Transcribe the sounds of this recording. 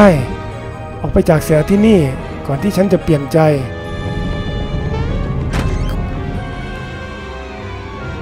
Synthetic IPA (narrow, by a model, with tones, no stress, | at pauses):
a˥˩j | ʔɔː˨˩k̚pa˧jt͡ɕaː˨˩k̚siː˨˩˦t̪ʰiː˥˩niː˥˩ | kɔː˨˩nt̪iː˥˩t͡ɕʰa˦˥nt͡ɕa˨˩pli˨˩ənt͡ɕa˧j